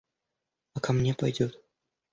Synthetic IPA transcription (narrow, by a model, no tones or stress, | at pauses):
akamnʲepɐjdʲut̪